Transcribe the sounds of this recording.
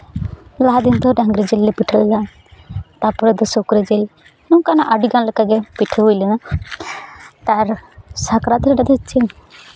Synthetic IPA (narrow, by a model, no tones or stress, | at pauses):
laɦad̪int̪ɔɖaŋɡɾɛd͡ʒɛlːɛpiʈʰəllan | t̪apɔɾɛd̪ɔsokɾɛd͡ʒɛl | nukanaʔaɖiɡanləkaɡɛpiʈʰəwujlɛna | t̪aɾsakɾat̪ɛɾɛɖad̪ɔt͡ʃʰin